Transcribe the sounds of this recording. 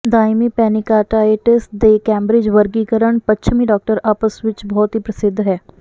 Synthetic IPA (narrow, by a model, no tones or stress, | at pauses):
d̪aːjmiːpɛːnɪkaːʈaːeʈɪsʈd̪eːkɛ̃ːmbɾɪd͡ʒʋəɾɡiːkəɾəɳpətːʃʰəmiːɖɔːk̚ʈəɾaːpəsʋɪt͡ʃbɔːt̪ɦiːpɾəsɪd̪ʱːɦɛː